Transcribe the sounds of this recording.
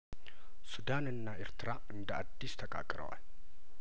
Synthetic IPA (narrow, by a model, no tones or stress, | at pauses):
sud̪anɨnːaʔeɾt̪ɨɾa | ɨnd̪əad̪ːist̪ʰəkʼa̰kʼɾə̰wa̰l